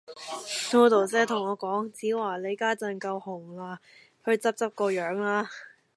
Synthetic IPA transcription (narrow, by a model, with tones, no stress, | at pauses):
ŋoː˧t̪o˨˩t͡sɛː˥t̪ʰʊ˨˩ŋɔː˨˧kɔː˨˥ŋt͡siː˨˥waː˨˩le˨˧jkaː˥t͡sɐ˨˩nkɐ˧whʊ˨˩ŋlaː˧ | hɵ˧ɥt͡sɐ˥p̚t͡sɐ˥p̚kɔː˧jœː˨˧˥ŋlaː˥